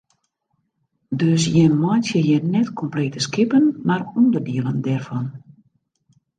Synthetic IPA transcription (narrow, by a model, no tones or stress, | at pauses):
døsjɛnmɔjntjəjənɛtkʰɔmpleːtəskɪpənmarundərdiəlˠəndɛrfɔn